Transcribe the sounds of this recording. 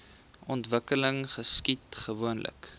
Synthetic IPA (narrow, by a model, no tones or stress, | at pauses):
ɔntvəkələŋχəskitχəvuənlʔə̰k